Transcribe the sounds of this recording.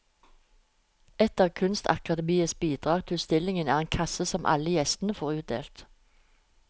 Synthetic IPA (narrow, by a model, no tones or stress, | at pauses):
ɛt̪əʁkʰʉnst̪ʰɑ̰kɑd̪əmiːəsbiːd̪ʁɑːɡt̪ʰɪst̪ɪlɪŋənæːʁeːnkʰɑsəsɔmʔɑ̰ləjɛst̪n̩əfoːʁʉːt̪̚d̪ḛːlt̪